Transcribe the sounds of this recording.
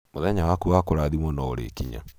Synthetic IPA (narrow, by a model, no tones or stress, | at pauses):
moðɛɲawakuwakoɾaðimɔnɔoɾḛːkiɲa̰